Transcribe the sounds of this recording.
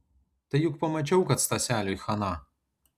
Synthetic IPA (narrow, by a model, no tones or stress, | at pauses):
t̪ɐjukpɐmɐt͡ʃʲɔwkɐt̪st̪ɐsʲalʲɔjxɐna